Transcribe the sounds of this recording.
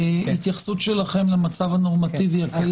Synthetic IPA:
it̪jaχsut̪ʃelaχe̞mlemat͡savano̞ʁmat̪iviaki

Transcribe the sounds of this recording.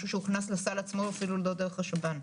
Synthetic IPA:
ʃuʃeuχnaslasalat͡smoafiluldod̪eʁχaʃaban

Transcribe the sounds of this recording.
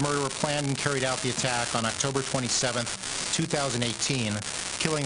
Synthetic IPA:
mɜ˞wə˞pʰl̥æ̃ndɨ̃n̩kʰɛɹiɾaʊt̪̚ðiɨtʰækn̩ɑk̚tʰoʊbə˞tʰw̥ɛ̃ɾ̃isɛvɨ̃nθ | tʰʉθaʊzɨ̃n̩deɪtʰĩn | kʰɪlˠɪ̃ŋ

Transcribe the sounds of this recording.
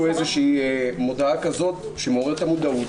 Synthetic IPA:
uezeʃiːmo̞d̪aakazo̞t̪ | ʃemeoʁeʁet̪amod̪au

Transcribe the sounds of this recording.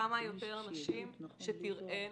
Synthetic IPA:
amajo̞t̪e̞ʁanaʃimʃet̪iʁe

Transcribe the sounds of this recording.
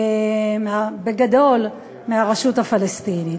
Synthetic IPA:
meabeɡad̪o̞l | meaʁaʃuthafalest̪ini

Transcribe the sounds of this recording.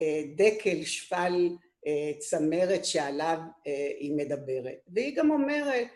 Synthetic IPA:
ed̪e̞kʰelʃfal | t͡same̞ʁet̪ʃealavime̞d̪abe̞ʁet̪̚vehiɡamo̞me̞ʁet̪̚

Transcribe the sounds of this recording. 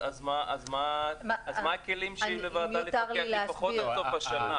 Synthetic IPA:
azmaʔazmaazmaːkelimʃimlevaːalit̪aʁleileafaχotiat̪ovaʃana

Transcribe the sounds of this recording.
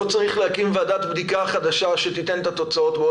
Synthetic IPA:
ot͡saʁiχlehakimvead̪aːt̪bd̪ikaχad̪aʃaʃet̪it̪ent̪at̪o̞t͡sao̞t̪beo

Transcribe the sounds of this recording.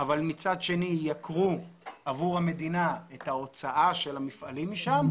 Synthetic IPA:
avalmit͡sad̪ʃe̞nijakʁuʔavuʁame̞d̪inaet̪hao̞t͡saʔaʃe̞lamifʔalimːiʃam

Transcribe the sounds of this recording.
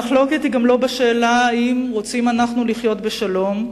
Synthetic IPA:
χlo̞ket̪hiɡamlo̞beʃeːlaimʁo̞t͡simanaχnuliχjo̞t̪beʃalo̞m

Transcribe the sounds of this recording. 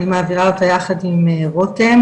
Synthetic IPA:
nimaːviʁaot̪ajaχad̪imeʁotem

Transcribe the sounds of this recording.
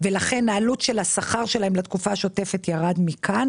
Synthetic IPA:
velaχe̞nːaːlutʃelhasaχaʁʃelahemlat̪kufaʃo̞te̞fe̞tjaʁadmikʰan

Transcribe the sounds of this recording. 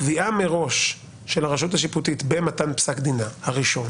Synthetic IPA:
viʔameʁo̞ʃː | e̞laʁaʃuthaʃ̬iputitbematanpsakd̪inahaʁiʃo̞n

